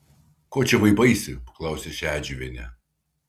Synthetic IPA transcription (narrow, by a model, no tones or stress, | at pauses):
koːt͡ʃʲɛʋɐɪbɐɪsʲɪpɐ̥klˠɐˑʊsʲeʃʲæːd͡ʒʲuʋʲeːnʲɛ